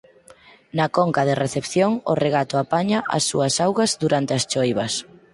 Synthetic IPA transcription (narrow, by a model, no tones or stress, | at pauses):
nɐkɔŋkɐðɪreθepθjoŋʊ̰reɣ̞at̪ʊapaɲaʔɐ̰sːuɐsawɣɐzðuɾant̪eɐst͡ʃojβɐs